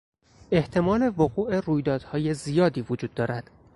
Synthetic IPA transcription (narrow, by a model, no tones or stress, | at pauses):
e̞ht̪ʰe̞mɒːle̞voɣuːʔe̞ruːjd̪ɒːd̪̥hɒːje̞zijɒːd̪iːvod͡ʒuːd̪ːɒːɾæd̪̥